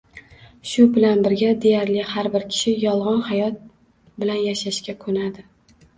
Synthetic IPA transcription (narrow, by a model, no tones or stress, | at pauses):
ʃʊbɪlanbɪɾɡʲad̪e̞jaɾlɪhaɾbɪɾkʲʰɪ̥ʃɪjɒlˠʁɒnhajɒt̪̚ | bɪlanjaʃaʃkʲakʰɵnad̪ɪ